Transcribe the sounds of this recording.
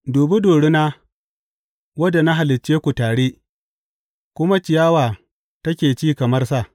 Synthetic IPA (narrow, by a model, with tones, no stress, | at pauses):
doː˨be˦doː˨ɽe˦naː˦ | wɐ˦da˨na˦ɦa˨lɪ˨t͡ʃːeː˦kʷu˨taː˨ɽeː˦ | kʷʊ˦ma˦t͡ʃɪ˨jaː˦waː˨ | tɐ˦kʲeː˨t͡ʃiː˦kɐ˨mɐ˦rsa˦˨ʔ